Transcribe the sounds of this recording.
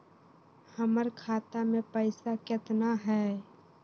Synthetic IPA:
həməɾkʰaːt̪amẽpəɪsakɪt̪naɦɛː

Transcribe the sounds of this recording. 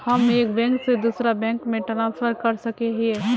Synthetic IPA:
hɐmeːkbɛ̃ːŋksed̪uːsɾabɛ̃ːŋkmẽʈɾãːspəɾkɐɾsɐkeɦɛ

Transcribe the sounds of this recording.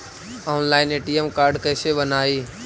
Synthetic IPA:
ɔːnlaːɪneːʈiːemkaːɾɖkəɦɪseɓənaːiː

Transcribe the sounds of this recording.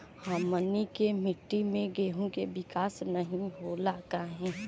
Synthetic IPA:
haːmənikemɪʈːimẽɡeːɦõkeʋɪkaːsnɐɦĩɦolaːk̪aɦɛ̃ː

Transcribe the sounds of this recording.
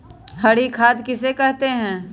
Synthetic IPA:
hɐɽikʰaːd̪kɪsekɛɦt̪eɦɛ̃ː

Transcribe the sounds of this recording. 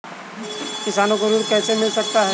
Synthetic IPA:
kɪsaːnõkoɾuːɾkɛːsemɪlsɐk̚t̪aɦɛ

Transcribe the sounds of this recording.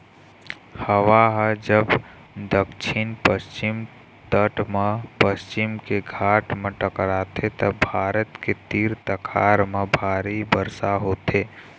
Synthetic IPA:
həʋaɦəd͡ʒəb | d̪əkʃʰɪnpəst͡ʃɪm | t̪əʈmẽpəst͡ʃɪmkeɡʱaːʈmẽʈəkɽaːt̪ʰet̪əbʱaːɾət̪ket̪iːɾt̪əkʰaːɾmẽbʱaːɾibəɾsaɦoːt̪ʰeː

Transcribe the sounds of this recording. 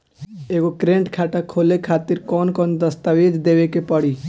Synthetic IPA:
eɡokɾẽːɳʈkʰaːʈakʰoːlekʰaːt̪ɪɾkɔːnkɔːnd̪əst̪aʋed͡ʒd̪eːʋekepəɽiː

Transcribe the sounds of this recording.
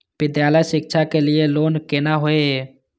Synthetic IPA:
bɪd̪jaːləjsɪkt͡ʃʰakelieloːnkenaɦoeɦ

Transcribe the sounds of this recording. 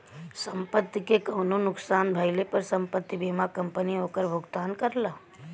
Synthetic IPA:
sə̃mpət̪ːikekɐʊnonʊksaːnbʱajlepəɾsə̃mpət̪ːibiːmakə̃mpəniɦoːkəɾbʱʊɡt̪aːnkəɾlaː

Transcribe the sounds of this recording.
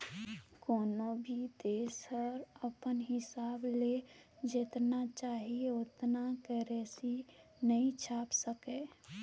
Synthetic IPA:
kɔːnobʱid̪eːsəɾəpənɦɪsaːbled͡ʒet̪nat͡ʃaːɦieʊt̪nakɛɾeːsinəĩt͡ʃʰaːpsəkeː

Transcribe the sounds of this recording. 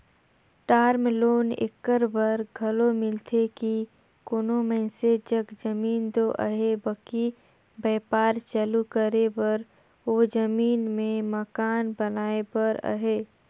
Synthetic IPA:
ʈaːɾmloːnḛkːəɾbəɾɡʱɐlomɪlt̪ʰeki | konomɛ̃ːsed͡ʒəɡd͡ʒəmiːnt̪oʔə̰ɦebəki | bɛːpaːɾt͡ʃəlukəɾebəɾ | od͡ʒəmiːnmẽməkaːnbənaːebəɾə̰ɦeː

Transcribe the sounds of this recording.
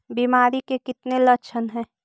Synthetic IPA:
biːmaːɾikekɪt̪nelɐkt͡ʃʰənɦɛ̃ː

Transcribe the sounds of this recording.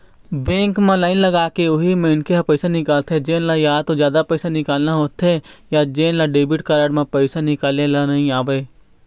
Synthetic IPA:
bẽːŋkmãlaːɪnlɐɡaːkeʊɦimẽɪnkeɦɐpɛɪsanɪkaːlt̪ɦɛd͡ʒeːnlajaːt̪od͡ʒjaːd̪apɛːɪsanɪkaːlnaɦoːt̪ɦejad͡ʒeːnlaɖeːbɪʈkaːɾaɽmẽpɛɪsanɪkaːlelanɐɦĩaːbɐeː

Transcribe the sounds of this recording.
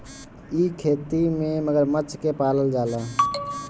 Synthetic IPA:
ikʰeːt̪imẽməɡəɾmət͡ʃʰkepaːləld͡ʒaːlaː

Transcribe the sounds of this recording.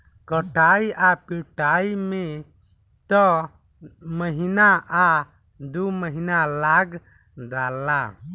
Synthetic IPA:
kəʈajapiʈajme | t̪ɔ | məɦinaʔa | d̪uməɦinalaɡ | d̪ala

